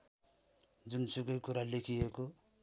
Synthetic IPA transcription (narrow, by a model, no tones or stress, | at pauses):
d͡zunsuɡʌjkuɾalekʰieko